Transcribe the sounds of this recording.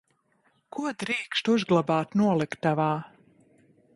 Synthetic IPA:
kuɔd̪ɾiːkʃt̪uzɡlˠabaːt̪nuɔlˠikt̪ːavaː

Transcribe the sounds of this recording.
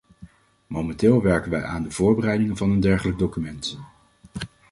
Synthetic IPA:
momɛntɪːlˠʋɛɹkənʋɛjʔaːndəv̥ʊːɹbərɛjdɪŋənvɑnəndɛɹχələɡ̚dowkymɛnt

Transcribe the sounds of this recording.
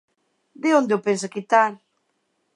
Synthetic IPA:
d̪ɪond̪eopensakit̪al

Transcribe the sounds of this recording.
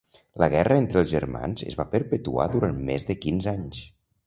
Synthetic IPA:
ləɣɛrəent̪ɾəlˠzʒərma̰nzə̰zβapəɾpət̪ua̰ðuɾanmezðəkinzaɲs

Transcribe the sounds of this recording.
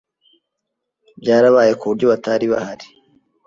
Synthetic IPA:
bɟaːɾaβaːje̞kuβuɾɟo̞βataɾiβa̰haɾi̥

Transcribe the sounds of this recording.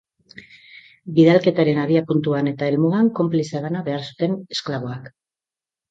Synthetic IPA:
biðalke̞t̪aɾe̞naβiapunt̪uane̞t̪aelmuɣaŋko̞mpliseɣanaβe̞aɾsu̥t̪e̞ne̞sklaβo̞ak

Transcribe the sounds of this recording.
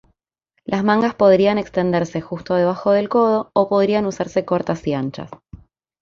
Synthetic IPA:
lʔazmãŋɡaspo̞ðɾianekst̪end̪eɾse̞xust̪oð̞e̞β̞axo̞ð̞e̞lko̞ð̞o̞ːpo̞ð̞ɾianusaɾse̞ko̞ɾt̪asiant͡ʃa̰s

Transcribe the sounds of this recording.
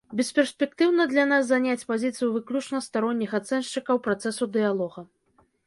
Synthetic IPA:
bʲɛspʲɛrsʲpʲɛk̚t̪ɨwnɐd̪lʲanasːanʲat͡sʲpazʲit̪sɨjuvɨklʲut͡ʂnɐst̪aɾɔnʲːixat̪sɛnʂt͡ʂɨkɐwpɾat̪sɛsud̪ɨjalˠɔɣɐ

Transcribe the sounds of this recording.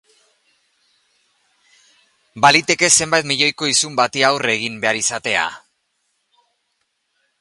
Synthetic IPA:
balit̪e̞ke̞se̞mbajt̪miʎo̞jko̞isumbat̪iawre̞ɣ̞imbe̞aɾisat̪e̞a̰

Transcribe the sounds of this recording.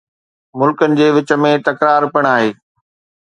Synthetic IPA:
mʊlkənɪ̆d͡ʑeːʋɪt͡ɕə̆mẽt̪ɐkɾaːɾpɐɽ̃aːɦeː

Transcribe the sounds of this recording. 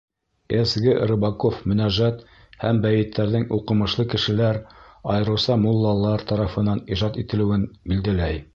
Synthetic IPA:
esɡɘɾɤ̆bɑkofmɵ̆næʒæt̪ | hæmbæjɘ̆t̪ːæɾðɘŋuqɤ̆mɤ̆ʃlˠɤkɘ̆ʃɘ̆læɾɑjɤ̆ɾɤ̆wsɑmulˠːɑlˠːɑɾt̪ɑɾɑfɤ̆nɑniʒɑt̪it̪ɘ̆lɘ̆wɘnbild̪ælæj

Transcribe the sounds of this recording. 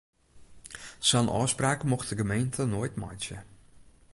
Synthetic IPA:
sɔnʔɔ̰ːspraːkəmɔxtdəɡəmejntʰənoəjtmɔ̰jt͡ʃə̰

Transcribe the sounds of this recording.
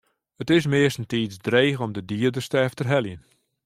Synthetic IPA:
ətɪsmɪəstn̩tiːt͡sdreːɣɔmdədiːərdərstəɛftərɦɛljən

